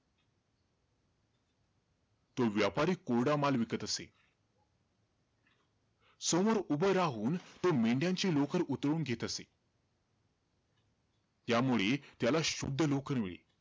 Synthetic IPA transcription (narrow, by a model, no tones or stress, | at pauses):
t̪oʋjapaɾiːkːoɽamalʋikət̪əse | səmoɾubəjɾaɦuːnt̪omeɳɖjãɲt͡ɕelokəɾut̪ɾɭuːnɡʱet̪əse | t̪jamuɭet̪jalaɕud̪ʱːəlokəɾmḭɭḛ